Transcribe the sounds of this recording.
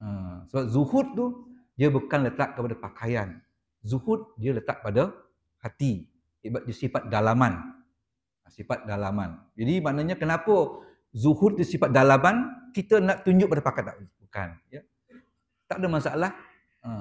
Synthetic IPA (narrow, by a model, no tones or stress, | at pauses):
əsəbap̚zuhʊt̪̚t̪u | diəbukanlət̪aʔkəpadapakʰajan | zuhʊt̪̚diələt̪aʔ̚pada | hat̪i | ibat̚diəsifat̪̚dalaman | əsifat̪̚dalamand͡ʒadimaʔnaɲakənapə | zuhʊt̪̚d̪usifat̪̚dalamankit̪ənaʔt̪uɲd͡ʒʊʔ̚padapakat̪aʔbuka̰njə | t̪aʔadamasaʔalah | ə